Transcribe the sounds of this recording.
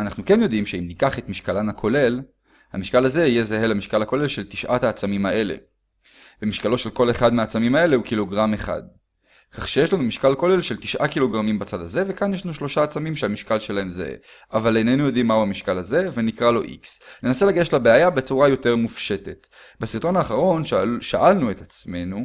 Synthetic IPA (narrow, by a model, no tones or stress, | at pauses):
anaχnuke̞njo̞d̪imʃeimnikaχe̞t̪miʃkalanakʰo̞le̞l | hamiʃkalaze̞ijezaɦe̞lamiʃkalako̞le̞lʃelt̪i̥ʃʔathaːt͡samimaʔe̞le̞̰ | b̥emiʃkalo̞ʃe̞lko̞le̞χad̪meat͡samimae̞le̞hukilo̞ɡʁameχa̰d̪ | kaχʃeje̞ʃlanumiʃkalkole̞lʃe̞lt̪iʃʔakilo̞ɡʁamimbat͡sad̪aze̞ve̞kanjeʃlanuʃlo̞ʃaːt͡samimʃeamiʃkalʃe̞lae̞mzḛḛavalejnenujo̞d̪imːauhamiʃkalaze̞ve̞nikʁalo̞ʔḭksne̞nase̞laɡeʃlabeajabet͡suʁajo̞te̞ʁmufʃe̞te̞t | besiʁt̪o̞naːχaʁo̞nʃʃaʔalnue̞t̪at͡sme̞nu